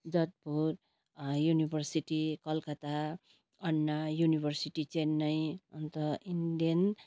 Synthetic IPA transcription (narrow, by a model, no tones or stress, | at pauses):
d͡zʌt̪̚puɾ | junibʱʌrsiʈikʌlkʌt̪a | ʌnːajunibʱʌrsiʈit͡senːʌjʌnt̪ʌinden